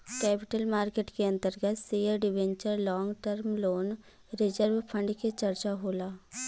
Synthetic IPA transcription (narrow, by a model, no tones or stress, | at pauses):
kɛːpɪʈəlmaːɾkeːʈkeɐ̃nt̪əɾɡət̪siːəɾɖɪʋẽɲt͡ʃəɾlɔ̃ːŋɡʈəɾmloːn | ɾɪd͡ʒəɾʋpʰə̃ɳɖket͡ʃɐɾt͡ʃaɦoːlaː